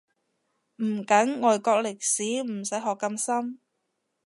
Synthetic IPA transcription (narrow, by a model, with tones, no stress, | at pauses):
m̩˨˩kɐ˨˥ŋŋɔː˨jkɔː˧k̚lɪ˨k̚siː˨˥m̩˨˩sɐ˨˥jɦɔː˨kːɐ˧msɐ˥m